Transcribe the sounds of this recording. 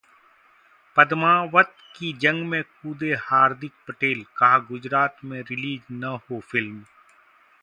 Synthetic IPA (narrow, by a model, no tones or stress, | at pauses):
pɐd̪maːʋət̪kid͡ʒɐ̃ŋɡmẽkuːd̪ehaːɾd̪ɪk̚pəʈeːlkɐɦaɡʊd͡ʒɾaːt̪mẽɾɪliːd͡ʒnɐhofɪlm